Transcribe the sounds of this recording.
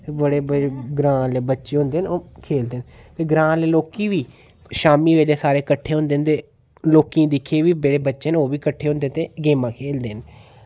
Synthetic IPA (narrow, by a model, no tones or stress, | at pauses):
ebəɽeːbəɡɾãːleːbətːʃeːɦõnd̪eːnoːkʰeːld̪eːn | t̪eːɡɾãːleːloːkiːʋiː | ʃaːmiːʋeːleːsaːɾeːkəʈʰːeːɦʊ̃ːnd̪eːnt̪eː | loːkĩd̪ɪkʰːeːʋiːbeɽeːbətːʃeːnoːʋiːkəʈʰːeːɦʊ̃nd̪eːnt̪eːɡeːmãːkʰeːld̪eːn